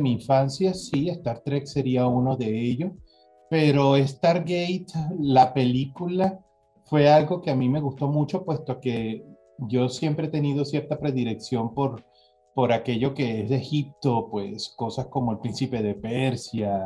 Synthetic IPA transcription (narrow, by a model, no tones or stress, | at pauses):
miːɱfansjasie̞st̪aɾt̪ɾekseɾiauno̞ðe̞eʝo̞s | pe̞ɾo̞e̞st̪aɾɡejt̪lape̞likula | fwe̞alɡo̞keamime̞ɣ̞ust̪o̞mut͡ʃo̞pwe̞st̪o̞ke̞ | ʝo̞sje̞mpɾeet̪e̞nið̞o̞sje̞ɾt̪apɾe̞ðiɾe̞ksjo̞mpo̞ɾ | po̞ɾake̞ʝo̞ke̞ezðe̞xip̚t̪o̞pwe̞̰sko̞sasko̞mo̞elpɾinsipe̞ð̞e̞peɾsja